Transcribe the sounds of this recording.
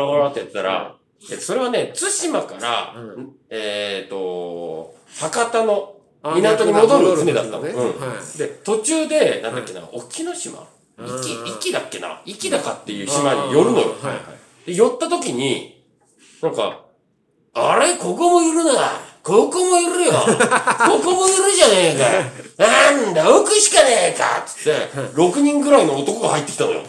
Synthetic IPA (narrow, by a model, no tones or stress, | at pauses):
aaɾat̪e̞t̪ːaɾa̰ | eso̞ɾe̞β̞ane̞t͡sɨɕimakaɾa̰ | et̪o̞ | hakat̪ano̞ | inat̪oɲ̟imo̞d̪oɾɯt͡sɨmed̪at̪ːa̰nɯ̟̃d̪e̞t̪o̞t͡ɕɨːd̪e̞nãnd̪akːe̞na̰okʲʰino̞ɕima̰ | ikʲiikʲid̪akːe̞na̰ikʲid̪akat̪ːe̞jɯ̟ːɕimaɲijo̞ɾɯ̟no̞̰jo̞̰ | d̪̥e̞jo̞t̪ːat̪o̞kʲiɲ̟i | nãŋka̰ | aɾe̞ko̞ko̞mo̞iɾɯ̟naa̰kokomoiɾɯjoko̞komo̞iɾɯ̟ʑane̞kanand̪aokɯ̟ɕi̥kaneːka̰t̪ɨ̥t̪ːe̞̰ɾo̞kɯ̟ɲ̟ĩŋɡɯ̟ɾaino̞ːt̪o̞ko̞ɡahait̪ːe̞kʲit̪anojo̰